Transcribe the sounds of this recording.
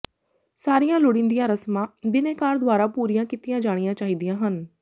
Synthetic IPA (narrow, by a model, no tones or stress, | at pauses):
saːɾijãːlʊɽĩnd̪ijãːɾəsmãːbɪneːkaːɾd̪ʊaːɾaːpuːɾijãːkit̪ɪjãːd͡ʒaːɽ̃ijãːt͡ʃaːɦiːd̪ijãːɦən